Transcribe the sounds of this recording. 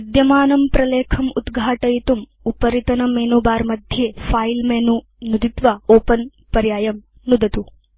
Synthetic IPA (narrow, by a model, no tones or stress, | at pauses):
ɐd̪jɐmaːnɐmpɾɐleːkʰɐmud̪ɡʱaːʈɐjit̪um | upɐɾit̪ɐnɐmeːnubaːɾmɐd̪ʱjeːpʰaːjlmeːnu | nud̪it̪ʋaoːpɐn | pɐɾjaːjɐm | nud̪ɐt̪u